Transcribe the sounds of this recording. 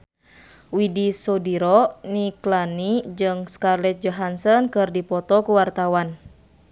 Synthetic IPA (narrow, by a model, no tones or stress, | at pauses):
widisɔdiɾɔniklanid͡ʒɨŋskarlɛt̪̚d͡ʒɔɦansɔnkɨrdipɔt̪ɔkuwart̪awan